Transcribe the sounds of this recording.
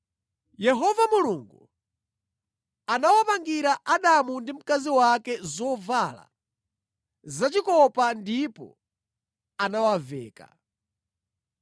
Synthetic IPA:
jɛɦɔvamuluŋɡu | anawapaŋɡiɾaʔaɗamundim̩kaziwakɛzɔvala̰ | zat͡ʃikɔpandipɔ̰ | anawavɛ̰ːka̰

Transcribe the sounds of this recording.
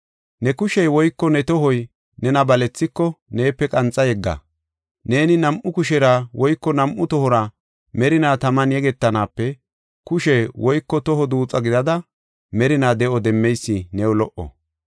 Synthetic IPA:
nɛkʊʃɛjwɔjkːɔnɛt̪ɔɦɔj | nɛnɐbɐlɛt͡sːɪkːɔne̞ːpːɛkʼɐnt͡sʼːɐjɛɡːa̰ | ne̞ːnɪnɐmʔʊkʊʃɛɾawɔjkːɔnɐmʔʊt̪ɔhɔɾɐ | mɛɾɪnaːt̪ɐmɐnjɛɡɛt̪ːɐnaːpːɛ | kʊʃɛjwɔjkːɔt̪ɔɦɔd̪uːt͡sʼɐɡɪd̪ɐd̪ɐ | mɛɾɪnaːd̪ɛʔɔd̪ɛmːɛjsːɪnɛwɔlɔʔɔ̰

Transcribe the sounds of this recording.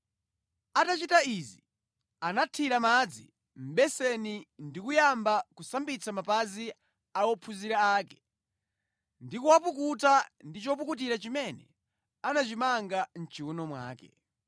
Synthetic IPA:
atat͡ʃitaizi | anatʰiɾamad͡zi | m̩ɓɛsɛnindikujambakusambit͡sʰamapazi | aɔpʰuziɾaaːkɛ̥ | ndikuwap̬uk̬utandit͡ʃɔp̬ukut̬iɾat͡ʃimɛnɛ | anat͡ʃimaŋɡan̩t͡ʃiunɔmwa̰ːkɛ̰

